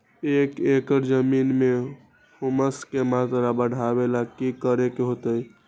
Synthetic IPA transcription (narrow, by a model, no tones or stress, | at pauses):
ekekəɾd͡ʒəminme | huməskemat̪ɾabəɽ̤ʱabelakikəɾekeɦot̪əj